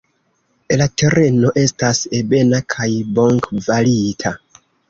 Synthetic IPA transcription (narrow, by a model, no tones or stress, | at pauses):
latʰe̞ɾe̞no̞ʔe̞stasebe̞nakʰajbo̞ŋkvalitʰa